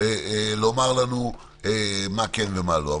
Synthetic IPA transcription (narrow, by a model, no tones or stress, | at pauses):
elomaʁlanu | emakenvemaloa